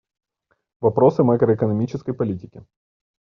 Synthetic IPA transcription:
vɐpɾo̞sɨmakɾəːkənɐmʲit͡ɕɪskəjpɐlʲitʲɪkʲɪ

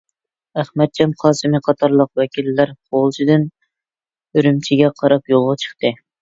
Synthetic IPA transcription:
æχmɛt̪̚t͡ʃʰɛmχʰɑːsɨmɨqʰɑt̪ʰɑɾlˠəq̚wɛkʲʰilːæɾqʰolˠt͡ʃʰid̪ɪn | øɾymt͡ʃʰiɡʲɛqʰɑɾɑpjolˠʁɑt͡ʃʰə̥χt̪ɨ

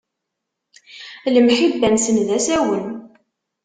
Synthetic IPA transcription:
ləmħibːænsənðæsæwən

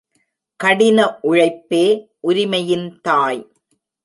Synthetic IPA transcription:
kɐɽɪnɐʔʊɻɐɪpːeːʔʊɾɪmɐjɪnt̪aːj

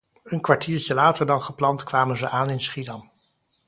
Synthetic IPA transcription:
ənkʋaɹtʰiːɹcəlaːtəɹdɑnχəplɑntkʋaːmənzəʔaːnɪnsχidɑm

